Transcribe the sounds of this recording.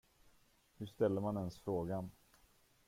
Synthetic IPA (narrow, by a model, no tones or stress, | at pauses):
hɵʂt̪ɛlːəɾmanɛnsfɾoːɡan